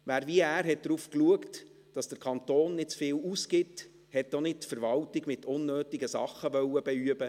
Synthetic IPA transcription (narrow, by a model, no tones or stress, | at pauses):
ʋæːɾviæːɾɦɛt̚d̥ɾuːfkluəkt | d̥ɑsd̥əɾkʰɑnt̪oːnːɪtt͡sfɪːluskɪt | hɛtːonɪt̚tfəɾʋɑltiɡmɪtʰʊnːøːtiɡəsɑ̰χəʋœwːəb̥ɛyəbə